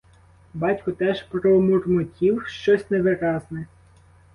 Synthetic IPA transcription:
bɑtʲkʊt̪ɛʒpɾɔmʊrmʊtʲiwʃt͡ʃɔsʲneʋɪɾɑznɛ

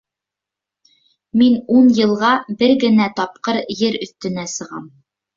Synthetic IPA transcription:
minunjɤ̆lˠʁɑbɘɾɡɘ̆næt̪ɑp̚qɤɾjɘɾɵ̆θt̪ɘ̆næsɤ̆ʁɑ̰m

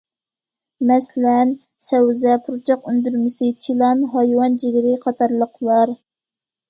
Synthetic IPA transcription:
mɛslɛn | sɛwzɛpʰuɾt͡ʃʰɑqynd̪yɾmɪsɪt͡ʃʰilˠɑnɦɑjwɑnd͡ʒiɡʲɪɾɪqʰɑt̪ʰɑɾlˠəqʰlˠɑɾ

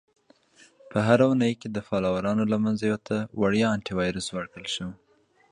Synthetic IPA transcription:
pʰəɦaɾaunəjked̪əfɑlɑwaɾɑnolamanzajwət̪awaɽjɑːɳʈiwɑjɾəswaɽkəlʃəw

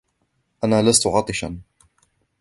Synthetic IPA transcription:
ʔanaːlast̪ʊʕɑt̪ˤɨʃa̰n

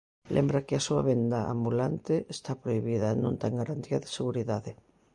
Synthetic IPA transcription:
lʔɛ̰mbɾɐkɪasuɐ̰βend̪ɐa̰mbulant̪ɪest̪apɾoiβiðɐenõnt̪ɛŋɡaɾant̪iɐðɪseɣuɾiðaðɪ

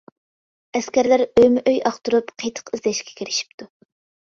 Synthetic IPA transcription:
ɛskʲæɾlæɾøjmɪʔøjɑχt̪uɾupqʰəjt̪ʰə̥qɨzd̪ɛʃkʲɛ̥kʲʰeɾɪʃi̥pt̪ʰu

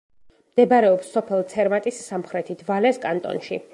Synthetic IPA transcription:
md̪̥ɛbaɾɛɔpsːɔpʰɛlˠt̪sʰɛɾmat̪ʼisːamχɾɛt̪ʰid̪ʰvalɛskʼant̪ʼɔ̰nʃḭ

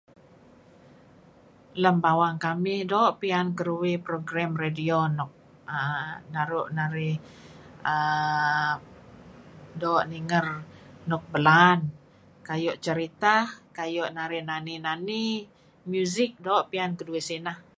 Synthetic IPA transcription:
ləmbawaŋkamɪhdɔːʔpiankəɾuwɪpɾoɡɾamredionɔk̚ | ənaɾʊʔnaɾɪh | ə | dɔːʔniŋərnɔk̚bəlan | kajɔʔt͡ʃəɾit̪akajɔʔnaɾɪhnaninani | mjuzɪk̚dɔːʔpiankəduɪsinah

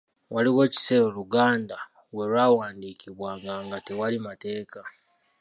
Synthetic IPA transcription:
waliwe̞ci̥se̞ːɾoluɡaːnda | we̞ɾwaːwaːndiːkiβwaːŋɡaːŋɡatewalimate̞ːka

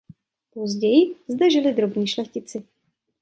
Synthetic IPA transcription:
pozɟɛjɪzd̪ɛʒɪlɪd̪ɾobɲiːʃlɛxcɪt͡sɪ

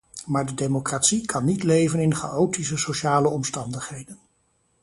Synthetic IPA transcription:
maːɹdədemokratsikʰɑnːitlejvənɪnχa̰ʔowtisəsoʃaːləɔmstɑndəχɦejdən

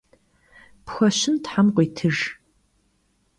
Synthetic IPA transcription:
pxʷɐɕɪntħamqʷiːtʰɨʒ

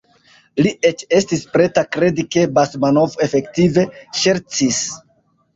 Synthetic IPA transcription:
lie̞t͡ʃe̞stispɾe̞takɾe̞dike̞basmanovoe̞fe̞ktive̞ʃe̞ɾt͡sis

